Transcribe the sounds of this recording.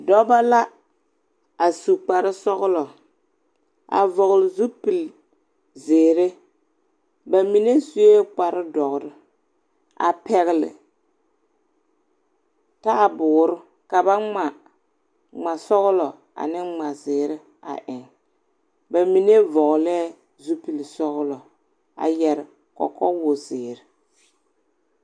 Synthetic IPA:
dɔ˦ba˦la˦ | a˨su˨k͡pa˨ɾɪ˦sɔ˦ɣʊ˦lɔ˨ | a̰˨vɔ˨ɣʊ˨lɪ˨zu˦pi˨l | zɪː˨ɾɪ˦ | ba˨mi˨ne˦su˦e˦k͡pa˨ɾɪ˦dɔ˨ɣɾɪ˦ | a̰˨pɛ˨ɣɪ˨lɪ̰˨ | ta˦˨bʊː˨ɾʊ˦ | ka˨ba˦ŋ͡ma˨ | ŋ͡ma˨sɔ˦ɣlɔ˨ | a̰˨nɪ˦ŋ͡ma˨zɪː˨ɾɪ˦ | a̰˨ʔɪ˨ŋ | ba˨mi˨ne˦vɔ˨ɣlɛ˦ | zu˦pi˨lɪ˨sɔ˦ɣlɔ˨ | a̰˨jɛ˨ɾɪ˨ | kɔ̰˨kɔ˦wʊ˨zɪː˨ɾɪ˨

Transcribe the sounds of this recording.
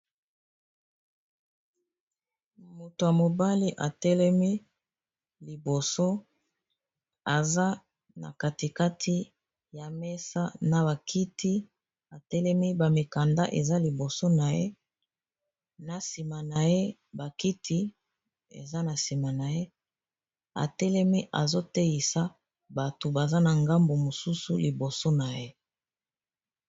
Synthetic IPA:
mo˨to˨ja˨mo˨ba˦li˦ʔa̰˨tɛ˦lɛ˦mi˦ | li˨bo˨so˦ | a˨za˦ | na̰˨ka˨ti˨ka˦tʰi˦ | ja˨mɛ˦sa˦na˨ba˨kʰi˦ti˦ | a˨tɛ˦lɛ˦mi˦ba˨mi˨ka˨nda̰˦ʔḛ˨za˦li˨bo˨so˦na˨je˦ | na˨si˨ma˨na˨je˦ba˨ki˦tʰi˦ | ḛ˨za˦na˨si˨ma˨na˨je˦ | a̰˨tɛ˦lɛ˦mi˦ʔa̰˨zo˦tɛ˦ji˨sa˦ | ba˨to˨ba˨za˦na˨ŋɡa˦mbo˨mo˨su˦su˨li˨bo˨so˦na˨je˦

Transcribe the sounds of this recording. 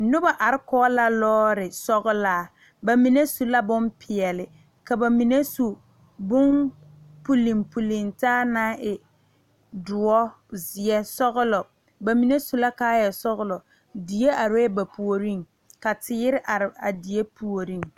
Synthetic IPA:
nʊ˦ba˨ʔa˨ɾɪ˦kɔː˦la˦lɔː˦ɾɪ˨sɔ˦ɣʊ˦laː˦ | ba˨mi˨ne˦su˨la˦bʊ˦mpʰɪ˨ɛ˨lɪ˨ | ka˨ba˨mi˨ne˦su˨ | bʊ˦n | pu˨li˨mpu˨li˨ŋtaː˦naː˦ʔɪ˨ | dʊ˨ɔ˦ | zɪ˨ɛ˦sɔ˦ɣʊ˦lɔ˨ | ba˨mi˨ne˦su˨la˦kaː˦jɛ˨sɔ˦ɣʊ˦lɔ˨ | di˨je˦a˨ɾba˨pu˨o˨ɾi˦ŋ | ka˨tɪ˦ɪ˦ɾɪ˦ʔa˨ɾɪ˨a˨di˨e˦pu˨o˨ɾi˦˨ŋ

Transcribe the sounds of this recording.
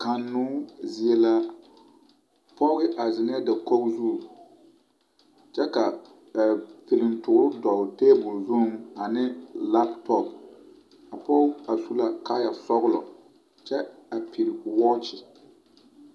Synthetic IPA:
ka˨nːʊ˦zɪ˦ɛ˦la˦ | pɔ˦ɣɪ˦ʔa˨zɪ˨n˦ɛ˦da˨ko˦kzu˦˨ | t͡ʃɛ˦ka˨ | a˨pi˨lɪ˨ntʊ˨ɡɾʊ˦dɔ˨te˦bʊ˨lzu˦ma˨nɪ˦la˦ptʰɔ˦p | a˨pɔ˦a˨su˦la˦ka˦ja˨sɔ˦ɣʊ˦lɔ˨ | t͡ʃɛ˦a˨pi˨lwɔ˦t͡ʃɪ˨

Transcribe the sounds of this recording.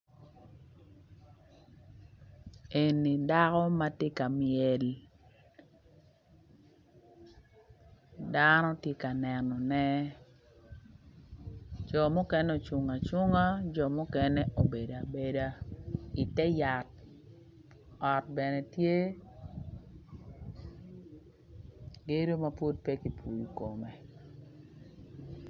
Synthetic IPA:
e˨ni˨da˦kɔ˦ma˦te˦ka˨mjɛ˨l | da˦nɔ˦tje˦ka˨nɛ˨nɔ˨nɛ˦ | d͡ʒɔ˨mu˦kɛ˦nɛ˦o˨t͡ʃwu˨ŋa˨t͡ʃu˦ŋa˦d͡ʒɔ˨mu˦kɛ˦nɛ˦ʔo˨be˨da˨be˨da˦i˨tɛ˦ja˨t̚ | ɔ˨t̚bɛ˨nɛ˨tje˦ | ɡe˦ɾo˦ma˦pu˦t̚pɛ˦ki˨pu˨ju˨ko˨me˨

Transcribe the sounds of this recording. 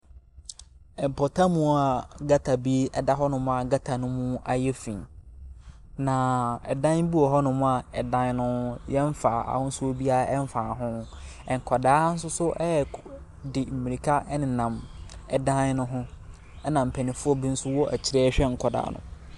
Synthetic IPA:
ɛ˨m̩˨pʰɔ˨tʰa˦mũ˦a˨ɡa˦tʰa˨bi˦ɛ˨da˦ɦɔ˦nʊ̃˦mʊ̃˦a˨ɡa˦tʰa˨nʊ̃˦mũ˦a˨jɛ˦fḭ̃˨n | nã˨ɛ˨dã˦n˦bu˦ɔ˨ɦɔ˦nʊ̃˦mʊ̃˦a˨ɛ˨dã˦n˦nʊ̃˦jɛ˦ɱ˦fa˨a̰˨hʊ̃˦sʊ˦o˦bi˦a˦ɛ˦m˦fa˨ɦʊ̃˦ʊ̃˦ | ɛ˨ŋ̩˨kʰɔ˨daː˦n̩˦s̬ʊ˦sʊ˦ʔɛ˦˨ | dɪ˨m̩˨mi˨i˨kʰa˦ʔnɪ̃˨nã˨mɛ˨dã˦n˦nʊ̃˦ɦʊ̃˦ | ɛ˦nã˨m̩˨pʰɛ˨nɪ̃˨fʊ˦ɔ˦bi˦n̩˦sʊ˦wɔ˦ʔɛ̰˨t͡ɕʰɪ˦ɾɛ˦ɕᶣɛ˦ŋ̩˨kʰɔ˨da̰ː˨˦nʊ̰̃˨

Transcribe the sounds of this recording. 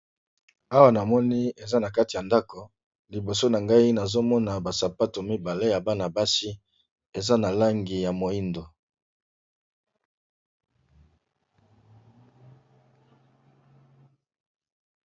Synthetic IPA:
a˦wa˨na˨mɔ˦ni˦e˨za˦na˨ka˦ti˨ja˨nda˦ko˨ | li˨bo˨so˦na˨ŋɡa˦i˦na˨zo˦mɔ˦na˨ba˨sa˨pa˦to˨mi˦ba˨le˦ja˨ba˦na˨ba˦si˦ | e˨za˦na˨la˦ŋɡi˨ja˨mo˨i˦ndo˨

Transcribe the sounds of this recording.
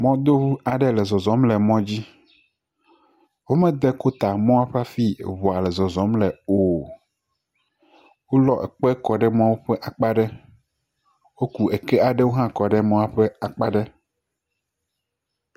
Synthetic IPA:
mɔ̃˦d̪o˦wu˦a˨ɖɛ˦lɛ˨zɔ˨zɔ̃˨˦mlɛ˨mɔ̃˦d͡ʑi˦ | wo˦mɛ̃˦d̪e˦ko˦t̪a˨mɔ̃˦a˦ɸe˦a˦fḭ˦˨βɔ˨a˨lɛ˨zɔ˨zɔ̃˨˦mlɛ˨o˨ | wo˦lɔ˨ʔɛ̰˨k͡pɛ˦kɔ˨ɖɛ˦mɔ̃˦wo˦ɸɛ˦ʔa˨k͡pa˦ɖɛ˦ | wo˦ku˨e˨kɛ˦a˨ɖɛ˦wo˦ɦã˦kɔ˨ɖɛ˦mɔ̃˦a˨ɸe˦a˨k͡pa˦ɖe˦

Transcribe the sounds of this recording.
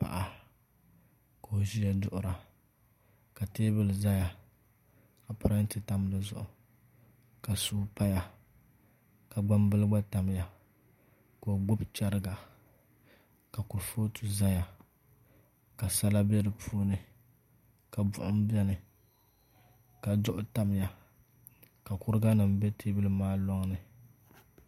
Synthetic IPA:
pa̰˨ʔa˨ | ko˨o˨ʒi˦ja˨dʊ˦˨ʔʊ˨ɾa˨ | ka˨teː˦bɨ˦lɨ˨za˦ja˨ | ka˨pʊ˨˦ɾa˦n̩˦tɨ˨ta˦m˦lɨ˦zʊ̰˨ʔʊ˨ | ka˨suː˦pa˦ja˨ | ka˨ɡ͡ba˦mbɨ˦lɨ˦ɡ͡ba˦ta˨m˦ja˨ | ko˨ɡ͡bʊ˦bt͡ʃa˦ɾɨ˦ɡa˨ | ka˨ku˨ɾfo˦tʰu˨za˦ja˨ | ka˨sa˦la˦bɛ˦lɨ˨pʰuː˦nɨ˨ | ka˨bʊ̰˨ʔʊ˦m˦bɛ˦nɨ˨ | ka˨dʊ˦ʔʊ˦ta˦m˦ja˨ | ka˨kʊ˦ɾɨ˦ɡa˦nɨ˨m˦bɛ˦tʰe˦bɨ˦lɨ˦maː˦lɔ˦ŋnɨ˨

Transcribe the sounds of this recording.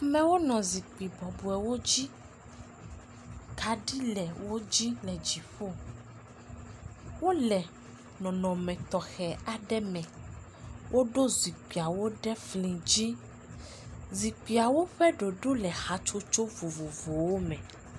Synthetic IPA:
a˨mɛ̃˨wo˦nɔ̃˨zi˨k͡pi˨bɔ˨bu˨ɛ˨wo˦d͡ʑi˦ | ka˨ɖi˦lɛ˨wo˦d͡ʑi˦lɛ˨d͡ʒi˨ɸo˦˨ | wo˦lɛ˨ | nɔ̃˨nɔ̃˨mɛ̃˨t̪ɔ˨xɛ˨a˨ɖɛ˦mɛ̃˨ | wʔo˦ɖo˦zi˨k͡pi˨a˨wo˦ɖɛ˦flĩ˨d͡ʑi˦ | zi˨k͡pi˨a˨wo˦ɸɛ˦ɖo˨ɖo˦lɛ˨xa˨t͡ʃo˦t͡ʃo˦vo˨vo˨vo˨wo˦mɛ̃˨

